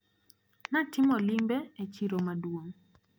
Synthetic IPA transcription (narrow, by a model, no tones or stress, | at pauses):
natɪmɔlimbɛet͡ʃiɾomadwoŋ